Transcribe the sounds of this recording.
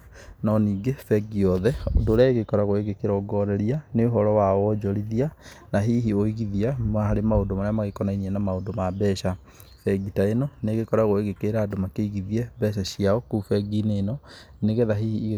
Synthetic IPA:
nɔniːɡefɛɡiɔðɛondoːɾjaeɣekɔɾaɣoeɣekeɾɔɡɔɾɛɾianeoɦɔɾɔwaɔd͡ʒɔɾiðia | naɦiːɦioiɣiðiamaɦaɾemaondomaɾeamaɣekɔnainiɛnamaondomabɛɕa | fɛɡitaenɔneɣekɔɾaɣoeɣekeɾaːdomakeiɣiðiɛbɛɕaɕiaɔkufɛɡinenɔneɣeðaɦiːhiːɣ

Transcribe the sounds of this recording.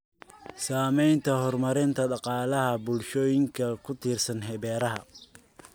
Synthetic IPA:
saːmɛjnt̪ʰɐhɔrmɐɾɪnt̪ʰɐɖɑqɑːlɐɦɐbʊlʃɔːjɪŋkʰɐkʰʊt̪ʰiːrsɐnɦɛβɛːɾɐɦɐ̰

